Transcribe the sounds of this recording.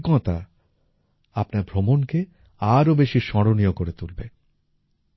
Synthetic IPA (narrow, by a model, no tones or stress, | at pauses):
kɔt̪a | apnaɾbʱɾomonke | aɾobeʃiʃɔɾoniokoɾet̪ulbe